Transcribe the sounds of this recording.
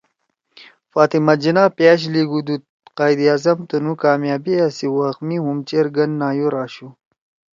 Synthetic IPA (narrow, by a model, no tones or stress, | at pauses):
faːt̪imɐd͡ʑinaːpjaːɕ̬liɡud̪u | qaːjd̪iaːzɐmt̪ɐnukaːmjaːbiasiwaxmihumt͡ɕeɾɡɐnːaːjuɾaːɕu